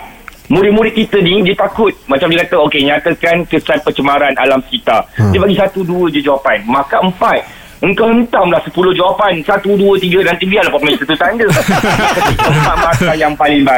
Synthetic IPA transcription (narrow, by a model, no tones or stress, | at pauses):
muɾɪmũɾɪʔ̪̚kit̪ənidiət̪akʊt̪̚mat͡ʃamdiəkat̪əokeɲãt̪akankəsanpət͡ʃəmaɾana̰lamsə̥kit̪adəpaɡisat̪uduəd͡ʒəd͡ʒəwapanmãkaəmpat̪̚ | əŋkawhənt̪amlahsəpulʊhd͡ʒawapansat̪uduət̪iɡənãnt̪ibialapɔt̪məit̪ət̪ut̪andəasət̪ikapat̚mãsajaŋpalɪŋba